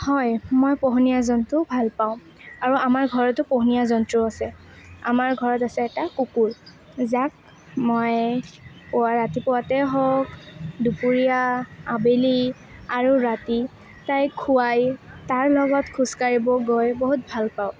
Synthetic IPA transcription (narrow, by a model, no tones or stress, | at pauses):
hɔjmojpɔɦunijazɔntʊbʱalpaʊ̃ | aɹuamaɹɡʱɔɹɔtʊpɔɦunijazɔntɹʊasɛ | a̰maɹɡʱɔɹɔtasɛɛtakukuɹ | zak̚ | mɔj | pɔwaɹatipɔwatɛɦɔkdupuɹijaabeli | aɹuɹati | tajkʰuwajtaɹlɔɡɔtkʰuskaɹibɔɡojboɦut̚bʱalpaʊ